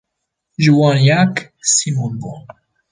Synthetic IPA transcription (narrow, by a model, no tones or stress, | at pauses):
ʒuwɑ̃njak | simunbɔ